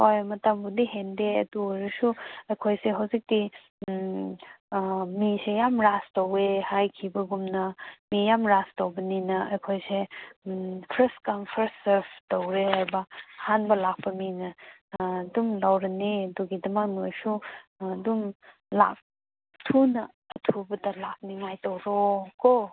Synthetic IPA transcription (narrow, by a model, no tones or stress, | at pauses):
ojmɐtambudiɦendeɐ̰duɐɾɐsuɐjkʰojseɦɐwzik̚ti | misejamɾastowehajkʰibɐɡumnɐmijamɾastowbɐninɐɐjkʰojse | pʰɾestkampʰɐɾseɾpʰtowɾeɐɾbɐhanbɐlak̚pɐminɐ | dumlawɾɐniɐduɡidɐmakmusudum | la̰k̚ | tʰunɐː | tʰubɐdɐlak̚niŋajtowɾoko